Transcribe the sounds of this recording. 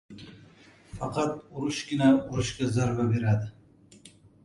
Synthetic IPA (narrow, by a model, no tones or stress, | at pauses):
fɑqʰɑt̪̚ʊɾʊʃɡʲɪnaʊɾʊʃkʲazaɾbabe̞ɾad̪ɪ